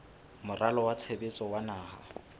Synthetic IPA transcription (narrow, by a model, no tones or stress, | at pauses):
mʊrʔalɔwat͡sʰebet͡sʼɔwanaːha